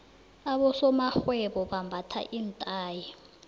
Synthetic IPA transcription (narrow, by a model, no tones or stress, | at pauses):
aɓɔsɔmaxwɛɓɔɓambʱatʰa̰ʔintʼaːji